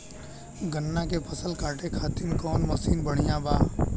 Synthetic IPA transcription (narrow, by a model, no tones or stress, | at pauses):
ɡənːakepʰɐsəlkaːʈekʰaːt̪ɪnkɔːnmɐsiːnbəɽ̤ijãbaː